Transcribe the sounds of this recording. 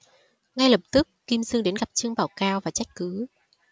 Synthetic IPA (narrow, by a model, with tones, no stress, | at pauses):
ŋa˧jlə˨˩p̚t̪ɨ˦˥k̚ːi˧mzɨ˧ŋɗe˨˦nɣa˨˩p̚t͡ɕɨ˧əŋɓaː˨˩wkaː˧wvaː˨˩t͡ɕa˦˥jk̟̚kɨ˨˦